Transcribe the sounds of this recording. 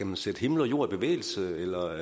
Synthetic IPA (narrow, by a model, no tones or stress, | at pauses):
æmænsed̥əhe̝ml̩ɒjo̝ːɐ̰ib̥e̝ʋḛːl̩səelɐ